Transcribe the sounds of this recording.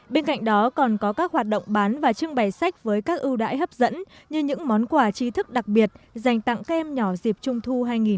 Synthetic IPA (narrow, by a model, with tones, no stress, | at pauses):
ɓe˧nka̰˧˨jŋ̟ɗɔ˨˦kɔ˨˩nkɔ˨˦kaː˦˥k̚hwaː˨˩t̚ɗo̰˧˨wŋ͡mɓaː˨˦nvaː˨˩t͡ɕɨ˧əŋɓa˨˩jsa˦˥jk̟̚vəː˨˦jkaː˦˥k̚ʔɨ˧wɗa̰ː˧˥jɦə˦˥p̚zə̰˧˥nɲɨ˧ɲɨ̰˧˥ŋmɔ˨˦nkwaː˧˩t͡ɕi˧t̪ʰɨ˦˥k̚ɗa˨˩k̚ɓi˨˩ət̚za˨˩jŋ̟t̪a̰˧˨ŋkaː˦˥k̚ʔɛ˧mɲɔ˧˩zi˨˩p̚t͡ɕʊ˧ŋ͡mt̪ʰu˧ɦaː˧jŋi˨˩